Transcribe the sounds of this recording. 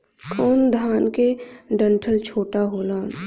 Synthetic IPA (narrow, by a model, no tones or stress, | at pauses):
kɔːnd̪ʱaːnkeɖə̃ɳʈʰəlt͡ʃʰoːʈaɦoːlaːn